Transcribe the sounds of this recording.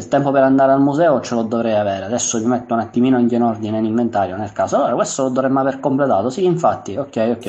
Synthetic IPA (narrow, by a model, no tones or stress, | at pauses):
ilt̪ɛmpopeɾand̪aːɾealmuzɛːot͡ʃelod̪ovɾɛjavɛːɾead̪ɛsːomimɛt̪ːounat̪ːimiːnoinkinɔrd̪inenimːent̪aːɾjonelkaːsoaoːɾakwest̪olod̪ːovɾɛmːavɛɾkomplet̪aːt̪osiːɱfat̪ːiokːɛjokːɛ